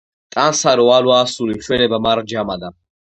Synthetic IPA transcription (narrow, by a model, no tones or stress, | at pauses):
t̪ʼansaɾɔwalwaːsuɾimʃwɛnɛbamaɾd͡ʒamad̪a